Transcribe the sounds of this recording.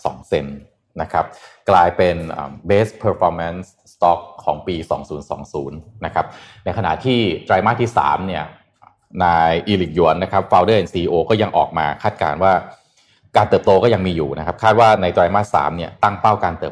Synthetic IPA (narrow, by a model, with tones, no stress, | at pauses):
sɔ̰ː˩˦ŋse˧nː | a˦˥kʰa˦˥p̚klaː˧jpe˧nʔa̰ː˨˩mbeː˦˥spʰəː˧fʰɔː˧ma˧˥ns | t̪ɔ˦˥kʰːɔː˩˦ŋpiː˧sɔː˩˦ŋsuː˩˦nsɔ̰ː˩˦ŋsuː˩˦nːa˦˥kʰa˦˥p̚na˧jkʰa˧na̰˨˩t̪ʰiː˥˩t̪ɾaː˧jmaː˥˩t̪ʰːiː˥˩sa̰ː˩˦mni˥˩ɐ | naː˧jʔiː˧li˨˩k̚ju˩˦ənːa˦˥kʰa˦˥p̚faː˧wdɤː˥˩ʔe˨˩siː˧ʔiː˧ʔoː˧kɔː˥˩ja˧ŋʔɔ̰ː˨˩k̚ma̰ː˧kʰaː˥˩t̪̚ka̰ː˧nwaː˥˩ | kaː˧nt̪ɤː˨˩p̚t̪oː˧kɔː˥˩ja˧ŋmiː˧juː˨˩nʔa˦˥kʰa˦˥p̚kʰaː˥˩t̪̚waː˥˩na˧jt̪ɾaː˧jmaː˥˩sa̰ː˩˦mni˥˩ɐt̪a˥˩ŋpa˥˩wkaː˧nt̪ɤː˨˩